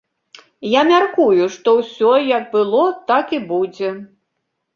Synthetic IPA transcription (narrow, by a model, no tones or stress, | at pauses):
jamʲarkujuʂt̪ɔwsʲɔjɐɡ̚bɨlˠɔt̪akibud͡zʲɛ